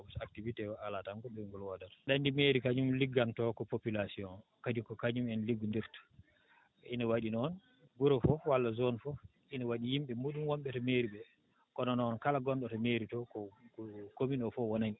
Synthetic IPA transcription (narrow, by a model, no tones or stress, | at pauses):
ɔbsak̚tivitɛwaalatamkɔɗuŋɡɔlwadatɗandimeɾikad͡ʒumliɡːantɔkɔpopilasiɔnkadikɔkaɲumɛnliɡːundiɾtḁ | inawaɗinɔn | ɡuɾɔfɔwalːazɔnfɔ | ʔinawaɗijimɓɛmuːɗumwɔmɓɛtɔmeɾiɓɛ | kɔnɔnɔːnkalaɡɔnɗɔtɔmeɾitɔkɔkominɔfɔwɔnan